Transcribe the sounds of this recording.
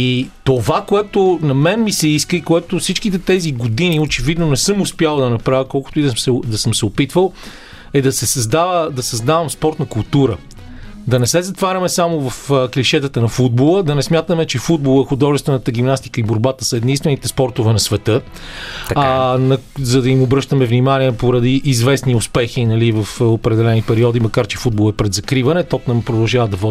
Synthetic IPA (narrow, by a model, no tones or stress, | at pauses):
it̪ovakoɛt̪onɐmɛnmisɛiskəikoɛt̪ofsit͡ʃkit̪ɛt̪ɛziɡod̪iniot͡ʃɛvid̪nonɛsɤmʊspjalˠd̪ɐnɐpɾavʲəkɔlˠkʊ̥t̪ʊiɐsɛd̪ɐsɤmsɛopit̪vəlˠ | ɛd̪ɐsɛsɐzd̪avəd̪ɐsɐzd̪avɐmspɔɾt̪nɐkʊlˠt̪uɾə̰ | d̪ɐnɛsɛzɐt̪vaɾʲɐmɛsamovɐfkliʃɛt̪ət̪ənɐfud̪̚bolˠəd̪ɐnɛsmʲjat̪əmɛt͡ʃɛfud̪̚bolˠɛxʊd̪ɔʒɛst̪vɛnət̪əɡ̟imnast̪i̥kəiboɾbat̪ə̥sɐɛd̪ninst̪vɛnit̪ɛspɔɾt̪ʊvɛnɐsvɛt̪ɤ | nɐzɐd̪ɐimʊbɾɤʃt̪əmɛvnimaniɛpoɾɐd̪iʔːzvɛsniʊspɛxinɐlivɐfopɾɛd̪ɛlɛnipɛɾiɔd̪imɐkaɾt͡ʃɛfud̪̚bolˠɛpɾɛd̪zɐkɾivɐnɛt̪ɔpnɐmpɾod̪ɐlˠʒavɐd̪ɐvɔ